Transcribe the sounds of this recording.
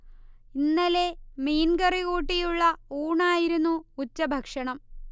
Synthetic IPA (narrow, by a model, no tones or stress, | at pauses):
inːɐle̞miːnɡɐriɣuːʈːijuɭːɐuːɳaːjiɾunːuːt͡ɕːɐbʱɐkʂɐɳɐm